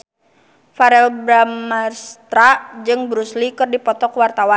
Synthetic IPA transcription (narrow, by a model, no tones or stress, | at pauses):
faɾɛlbɾamːarst̪ɾad͡ʒɨŋbɾuslikɨrdipɔt̪ɔkwart̪awan